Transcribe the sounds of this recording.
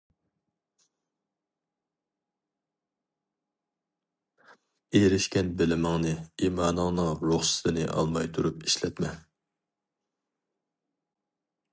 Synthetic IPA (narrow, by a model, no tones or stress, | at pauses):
eɾɪʃkʲɛnbɪlɪmɪŋnɨiːmɑːnɨŋnɨŋɾoχsɪ̥t̪ʰɨnɪʔɑ̰lˠmɑjt̪ʰuɾupi̥ʃlɛt̪mɛ